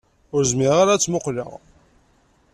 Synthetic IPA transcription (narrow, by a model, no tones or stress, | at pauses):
ʊɾzmiʁaɾat͡sːmoqlə̰ʁ